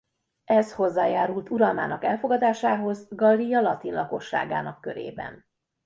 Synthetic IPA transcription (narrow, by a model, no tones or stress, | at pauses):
ɛsho̞zːaːjaːɾult̪ʰuɾɒlma̰ːnɒkɛlfo̞ɡɒd̪aːʃaːɦo̞zɡɒlːijɒlɒt̪inlɒko̞ʃːa̰ːɡa̰ːnɒkːø̞ɾḛːbɛ̰n